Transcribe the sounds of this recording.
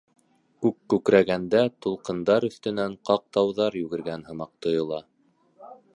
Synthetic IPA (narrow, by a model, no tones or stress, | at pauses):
kʉkːʉkɾæɡænd̪æt̪ulˠqɤ̆nd̪ɑɾɵ̆θt̪ɵ̆næɴqɑq̚t̪ɑwðɑɾjʉɡɘ̆ɾɡænhɤ̆mɑq̚t̪ŏjŏlˠɑ